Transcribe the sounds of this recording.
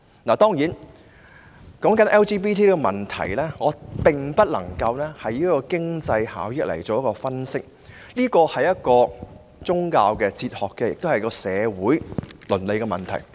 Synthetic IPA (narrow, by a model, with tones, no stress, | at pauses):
naː˨˩t̪ɔː˥ŋjiː˨˥n | kɔː˨˥ŋkɐ˨˥nʔɛː˥wt͡ʃiː˥p̬iː˥t̪ʰiː˥liː˥kɔ˧mɐ˨nt̪ʰɐ̰˨˩jlɛː˥ŋɔː˨˧pɪ˨˩ŋpɐ˥t̚lɐ̰˨˩ŋkɐ˧wlɛː˥hɐ˨jiː˦˥kɔː˧kɪ˥ŋt͡sɐ˧jha̰ː˨˥wjɪ˥k̚lɐ̰˨˩jt͡soː˨wjɐ˥kɔː˧fɐ˥nsɪ˥k̚ | liː˥kɔː˧hɐ˨jːɐ˥t̚kɔː˧ | t͡sʊ˥ŋkaː˧wkɛː˧t͡sʰiː˧t̚hɔː˨kːɛ˧jɪ˨k̚t̪o˥whɐ˨jkɔː˧sɛː˨˧wuː˨˥jlɵ˨˩nle˨jkɛ˧mɐ̰˨nt̪ʰɐ̰˨˩j